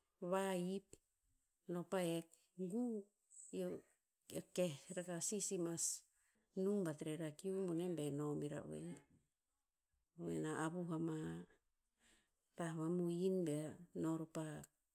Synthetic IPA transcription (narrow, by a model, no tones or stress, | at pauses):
βaip | no̞paek̚ | ɡu | jo | ekehɾakasisimas | numbatɾeɾakiumonembe̞no̞miɾa̰wḛ | wḛnaʔaβuhama | taβamuinbeno̞ɾupak̚